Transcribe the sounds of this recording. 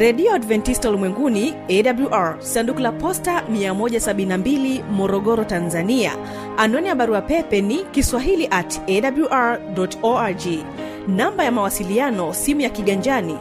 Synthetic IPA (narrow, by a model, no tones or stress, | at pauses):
ɾɛɗiɔadvɛntistaulimwɛŋɡuniɛɗabluʔaɹsandukulapɔstamiamɔʄasaɓininambilimɔɾɔɠɔɾɔtanzania̰ | anɔnijaɓaɾuapɛpɛnikiswaɦiliʔatɛɗabluʔaɹɗɔtɔad͡ʒi | nambajamawasilianɔsimujakiɠaɲd͡ʒani